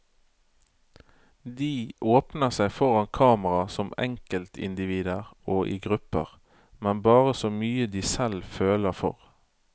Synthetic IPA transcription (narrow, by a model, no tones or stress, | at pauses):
d̪iːʔoːpnəʁsæɪfɔʁɑnkʰɑːməʁɑsɔmɛ̰ŋkəlt̪ʰɪ̰nd̪ɪʋiːd̪əʁoːʔḭːɡʁʉpə̰ʁ | mɛnbɑːʁəsɔːmyːəd̪iːsɛlføːləfɔ̰ʁ